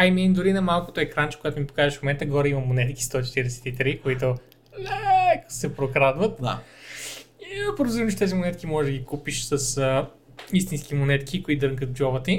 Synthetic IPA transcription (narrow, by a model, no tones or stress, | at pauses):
ajmɛind̪ʊɾinɐmalˠkot̪oɛkɾant͡ʃɛ̥koɡat̪ʊmipo̥kazɛʃfmomɛnt̪əɡɔɾɛimɐmonɛt̪kʲi̥st̪ɔt͡ʃɛ̥t̪iɾɛsɛ̥t̪it̪ɾikoit̪̬ʊ | lʲɛko̥sɛpɾokɾad̪vət̪a̰ | pɾd̪zimt͡ʃɛt̪ɛzimonɛt̪kʲimɔʒɛʒd̪əɡʲikupiʃsəsə | ist̪inskimonɛt̪kʲikoit̪d̪əŋkət̪d͡ʒɔvət̪i